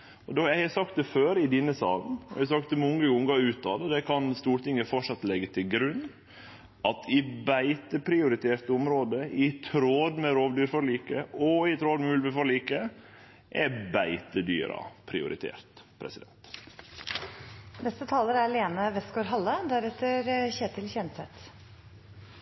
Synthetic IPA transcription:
ɔd̪ojæɪhɑsɑkt̪d̪ɛføːɾɪd̪inːəsɑːlnɔ̰ɛsɑk̚t̪ɛmɔŋːəʊŋɡɑʉːt̪ɑ̰ːd̪əd̪ɛkʰɑnst̪uːɾʈ̪ɪŋːəfɔʈʂɑt̪ːlɛɡət̪ʰɪlɡɾʉnː | ʔɑt̪ʰɪbæɪt̪əpʰɾɪʊɾɪt̪ʰeːɾt̪əʊmɾoːd̪əɪt̪ʰɾoːd̪mɛɾoːʋd̪yːɾfɔɭiːkəɔɪt̪ʰɾoːd̪mʉlʋəfɔɭiːkə | ʔɛbæɪt̪əd̪y̰ːɾɑ̰pʰɾɪ̰ʊ̰ɾɪ̰t̪ʰḛːɾt̪pʰɾɛ̰sɪd̪ɛ̰nt̪ | nɛst̪ət̪ʰɑːləɾæɾɭeːnəʋɛst̪̚ɡoːɾɦɑlːəd̪æɾɛt̪ːəɾçeːt̪ɪlçɛnsɛt̪

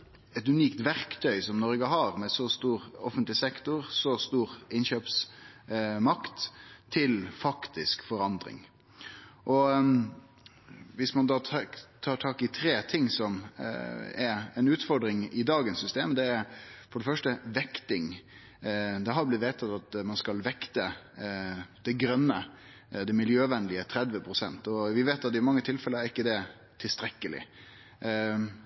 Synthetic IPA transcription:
ɛt̪ʉniːkt̪ʋæɾkt̪ʰœʏsɔmnɔɾɡəɦɑɾmɛsɔst̪uːɾɔ̰fənt̪lɪsɛkt̪ʊɾsɔst̪uːɾɪnɕøːps | mɑkt̪ʰːɪlfɑkt̪ɪskfɔɾɑnd̪ɾɪ̰ŋ | ʔɔ | ʋɪsmɑnd̪ɑːt̪ʰɑːʈʰɑːkɪt̪ʰɾeːt̪ʰɪŋsɔm | ɛɾɛnʉːt̪fɔɾɖɾɪŋɪd̪ɑːɡənsːʏst̪eːmd̪ɛæɾfɔɖəfœʂʈəʋɛkt̪ɪŋ | d̪ɛɦɑɾblɪt̪ʋeːt̪ʰɑt̪ɑt̪mɑnskɑlʋɛkt̪ə | d̪̥ɛɡɾœnːə | d̪ɛmɪljøːʋɛnːlɪət̪ʰɾɛd̪ʋəpʰɾʊsɛ̰nt̪ɔʋɪʋeːt̪ɑt̪ːɪmɑŋːət̪ʰɪlfɛlːəæɾɪkːəd̪ɛ | t̪ʰɪlst̪ɾɛkːəlɪ̰

